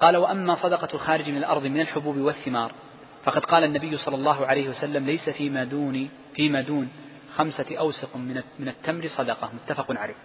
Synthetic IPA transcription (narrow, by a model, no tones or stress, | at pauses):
qɑːlawaʔamːaːsˤɑd̪ɑqɑlxaːɾɪd͡ʒmɪnalʔɑ̰ɾˤðˤmɪnalħʊbuːbɪwaθːɪmɑːɾˤ | fɑqɑd̪qɑːlanːabɪjːʊsˤɑlːɑlˤːɑːɦʊʕalajhɪwasalːamlajsaima | fiːmaːd̪uːn | xamsaʔawsaqmɪnat̪ːamɾɪsˤɑd̪ɑqɑmʊt̪ːafɑqʊnʕalḛːh